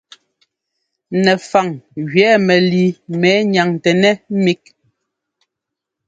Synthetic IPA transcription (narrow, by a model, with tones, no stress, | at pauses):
nɛ˨fa˨ŋɣɥɛː˨˦mɛ˨li˨mɛ˨˦ɲa˨ŋ˨tɛ˨nɛ˦mi˦k̚